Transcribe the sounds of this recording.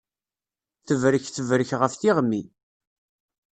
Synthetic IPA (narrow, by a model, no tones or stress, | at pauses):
θəvɾəçθəvɾəçʁəfθiʁmːi